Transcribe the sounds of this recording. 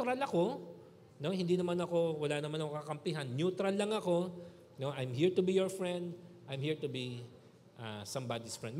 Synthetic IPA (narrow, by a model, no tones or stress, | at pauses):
ɾɐlɐko̞ | no̞hɪ̃nd̪iːnɐmanɐko̞wɐlaːnɐmanɐkokɐkɐmpɪɦanːjut̪ɾɐlːɐŋɐko̞ | no̞ʔajmɦiɹt̪ʊbijɔɹfɹɛ̃nd̪ʔajmhiɹt̪ʊbi | ʔasɐmbad̪isfɹɛ̰̃nd̪̚m